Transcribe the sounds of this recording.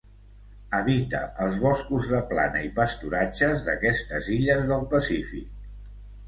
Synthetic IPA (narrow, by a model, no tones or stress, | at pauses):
əβit̪ə̰ʔəlˠzβɔskuzðəpla̰nəipəst̪uɾad͡ʒəzðəkɛst̪əziʎəzðəlˠpəsifḭk̚